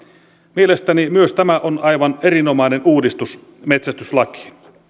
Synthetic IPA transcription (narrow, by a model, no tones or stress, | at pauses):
miele̞st̪ænimyøst̪æmæʔonɑjʋɑne̞ɾino̞mɑinenuːdist̪us | met̪sæst̪yslɑki̥